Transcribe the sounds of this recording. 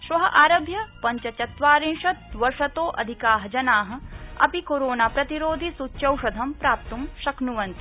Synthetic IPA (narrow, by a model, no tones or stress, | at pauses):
ʃʋɐɦɐʔaːɾɐbʱjɐpɐɲt͡ʃɐt͡ʃɐt̪ʋaːɾinʂɐt̪̚ʋɐɾʂɐt̪oːʔɐ̰d̪ʱikaːɦɐd͡ʒɐnaːɦɐ̆ɐ̰pikoɾoːnaːpɾɐt̪iɾoːd̪ʱisutːʃɐwʂɐd̪ʱɐmpɾaːp̚t̪umʃɐknuʋɐnt̪i̥